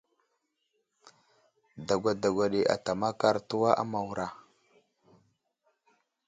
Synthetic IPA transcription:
da˨ɡʷa˨da˨ɡʷa˨ɗe˨ʔa̰˨ta˨ma˦ka˦ɾtu˦wa˦ʔa̰˦ma˨wu˨ɾa˨

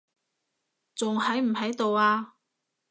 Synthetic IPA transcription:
t͡sʊ˨ŋhɐ˨˥jm̩˨˩hɐ˨˥jt̪o˨waː˧

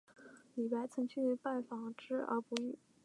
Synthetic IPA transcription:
li˨˩pa˥˩ɪt͡sʰɤ˧˥ŋt͡ɕʰy˥˩y˧˥pa˥˩nfɑ˨˩ŋʈ͡ʂɻ̩˥˩ə̰˞˧˥pu˧˥y˥˩

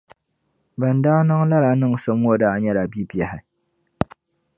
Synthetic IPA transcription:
bɛ˨n˨daː˦na˦ŋ˦la˦la˨˦nɨ˦˨ŋ˨sɨ˨mo˦daː˦ɲɛ˦la˨bi˦bjɛ˨hɪ˨

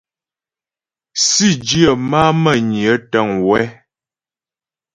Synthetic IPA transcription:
si˦˨d͡ʒi˦ə˨ma˦mə˦˨ɲi˨ə˦tə˦˨ŋwɛ˦

